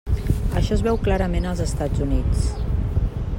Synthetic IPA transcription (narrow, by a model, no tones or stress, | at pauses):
ə̰ʃɔəzβɛwklaɾəmenəlˠzəst̪ad͡zunit͡s